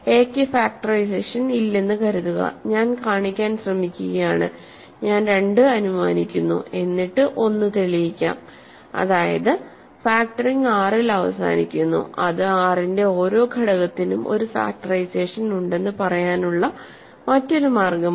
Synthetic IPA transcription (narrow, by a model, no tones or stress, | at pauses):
eːkːɨfaːk̚ʈɐrɐjs̬e̞ːʂɐnilːenːɨkɐɾuðuɣɐ̰ɲaːnkaːɳikʲːaːnɕrɐmikʲːuɣɐjaːɳɨ̰ | ɲaːnɾe̞ɳɖɨɐnuma̰ːnikʲːunːṵe̞nːiʈːɨʔo̞nːɨt̪eɭijikʲːa̰ːm | ɐ̰ðaːjɐ̰ðɨ | faːk̚ʈɐriŋɡaːrilɐʋɐ̰sa̰ːnikʲːunːṵɐðɨaːrinde̞o̞ːɾo̞ːkɐɽɐɣɐt̪ːinumʔo̞̰ɾufa̰ːk̚ʈɐrɐjse̞ːʂɐnuɳɖe̞nːɨpɐrɐjaːnuɭːɐ | mɐtːo̞ɾumaːrɡɐm